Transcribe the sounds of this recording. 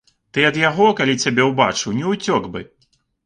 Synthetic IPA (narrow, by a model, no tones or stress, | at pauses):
t̪ɨɐd̪jaɣɔkalʲit͡sʲabʲɛwba̰t͡ʂɨwnʲɛut͡sʲɔɡbɨ